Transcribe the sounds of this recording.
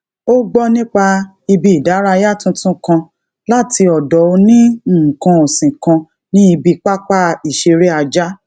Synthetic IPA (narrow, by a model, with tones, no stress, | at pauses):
o˦ɡ͡bɔ˦nĩ˦k͡pa˧ | i˧bi˧i˨da˨˦ɾa˧ja˦˨tũ˦tũ˦kã˧ | la˦˨ti˧ɔ˨dɔ˨˦o˧nĩ˦˨kã˧o˨sĩ˨kã˧ | nĩ˦i˧bi˧k͡pa˦k͡pa˦i˨ʃe˧ɾe˦a˧d͡ʒa˦